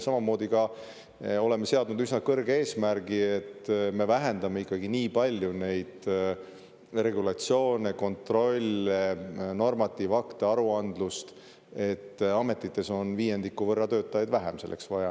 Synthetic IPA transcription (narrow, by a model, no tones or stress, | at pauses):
sɑmɑmo̞ːd̪ikɑ | o̞le̞mːe̞se̞ɑd̪nud̪ysnɑkɤrɡee̞ːsmæɾɡ̥iet̪ːme̞væɦe̞nd̪̥ɑmeikːɑɡiniːpɑlʲjune̞jd̪̥ | re̞ɡulɑt̪sjo̞ːneko̞nt̪ro̞lʲːeno̞rmɑt̪ːˑiːvɑkt̪eɑɾuɑnd̪lust̪ | e̞t̪ːɑme̞t̪ːˑit̪ːˑe̞so̞nviːje̞nd̪ikːuvɤrːɑt̪ø̞ːt̪ːˑɑjɑjd̪væɦḛmse̞lːʔeksvɑjɑ